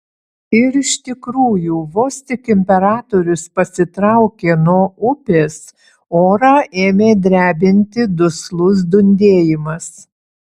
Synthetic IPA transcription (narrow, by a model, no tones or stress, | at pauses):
ɪɾɪʃt̪ʲɪkɾuːjuːʋoːsʲt̪ʲɪkɪmʲpʲɛɾɑːt̪oɾʲʊspɐsʲɪt̪ɾɑʊkʲeːnuɔʊpʲeːs | oːɾɑːʔeːmʲeːd̪ʲɾʲæːbʲɪnʲt̪ʲɪd̪ʊslˠʊs̬d̪ʊnʲd̪ʲeːjɪmɐs